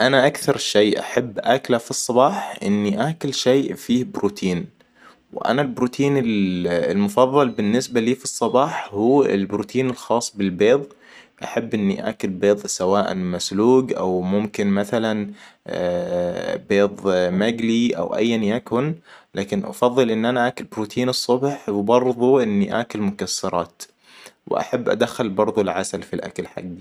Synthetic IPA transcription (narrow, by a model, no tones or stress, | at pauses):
ʔanaʔakθɑɾˤʃejʔa̰ħabːʔaklafisˤːɑbɑːħʔɪ̰nːiʔaːkɪlʃeːʔfiːhbɾuːt̪ʰiːn | wʔa̰nalbɾuːt̪ʰiːnɪlɪlmʊfɑðˤːɑlbɪnːɪsbaliːfisˤːɑbɑːħhuːɪ̰lbɾuːt̪ʰiːnɪlxɑːsˤːbɪlbeːðˤ | ʔaħabːʔɪnːḭʔa̰kʊlbeːðˤsawaːʔa̰nmasluːɡʔa̰wmʊmkɪnmaθalan | beːðˤmaɡliʔa̰wʔa̰jːanjakʊnlaːkɪnʔɑ̰fɑðˤːɨlʔɪnːʔanaʔaːkʊlbɾuːt̪ʰiːnɨsˤːʊbħwɪbɑɾˤðˤuʔɪnːiʔa̰ːkʊlmʊkasːɑɾˤɑːt̪ | wɪ̰ʔa̰ħabːʔa̰d̪axːalbɑɾˤðˤʊlʕasalfilʔa̰kalħa̰ɡːi